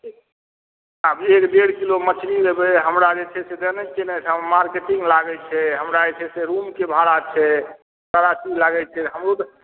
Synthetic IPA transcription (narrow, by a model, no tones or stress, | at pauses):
ɦãbekɖeɽkilomət͡ʃʰɾibebeɦəmɾad͡ʒet͡ʃʰɛsed̪ənɛkenɛsʰãmaɾkeʈiŋɡlaɡɛt͡ʃʰɛɦəmɾad͡ʒet͡ʃʰɛseɾumkebʱaɾat͡ʃʰɛ | kəɾat͡ʃilaɡɛt͡ʃʰɛɦəmɾo